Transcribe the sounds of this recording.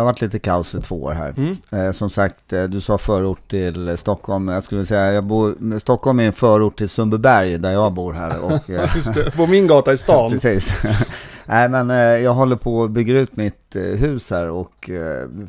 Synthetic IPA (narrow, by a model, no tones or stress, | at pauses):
havaʈʰːliːt̪əkʰaʊsɪt̪ʰvoːo̰ːɾɦæ̰ːɾsɔmsak̚t̪d̪ɵsɑːfœːɾuːʈʰːɪlst̪ɔkʰːɔlmjɑskɵləvɪlsɛjːajɑːɡbuːɾst̪ɔkːɔlmæɛnfœːɾʊːʈʈʰːɪlsɵmbəbæɾjd̪æɾjɑːɡbuːɾɦæ̰ːɾɔ̰kːpɔmɪnɡɑːt̪aɪst̪ɑːnɛsiːs | næɪmɛnjɑːɡɦɔlːəɾpʰɔbʏɡːəɾʉ̟ːt̪mɪt̪ɦʉ̟ːshæːɾɔk